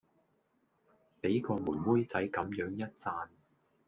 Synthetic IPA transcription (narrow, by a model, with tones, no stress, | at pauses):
pe˨˥jkɔː˧muː˨˩nwuː˥jt͡sɐ˨˥jkɐ˨˥mjœː˨˥ŋjɐ˥t̚t͡saː˧n